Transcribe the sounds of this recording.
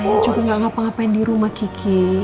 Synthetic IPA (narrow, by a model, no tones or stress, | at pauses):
ajat͡ʃukaŋɡaʔŋapaŋapaɪndiɾumahkikʰi